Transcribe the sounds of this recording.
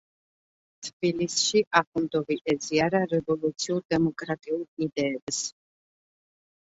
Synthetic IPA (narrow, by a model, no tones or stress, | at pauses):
t̪ʰb̥ilisʃiʔaχund̪ɔviɛziaɾaɾɛvɔlˠut̪sʰiuɾd̪ɛmɔkʼɾat̪ʼiuɾid̪ɛːbs